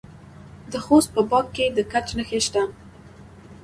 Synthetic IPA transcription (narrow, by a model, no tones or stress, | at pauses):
d̪əxost̪̚pəbɑkkːed̪əkat͡ʃnəxeʃt̪a